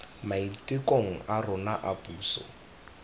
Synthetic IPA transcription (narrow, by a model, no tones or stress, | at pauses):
maitʼɪkʼoŋ̩ʔarʊnaʔapʼuːsɔ̰